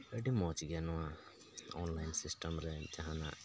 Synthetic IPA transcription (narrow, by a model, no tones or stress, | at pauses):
əɖimɔt͡ʃɡɛjanɔwa | ɔnlajnsisʈəmɾɛd͡ʒaɦana̰ʔ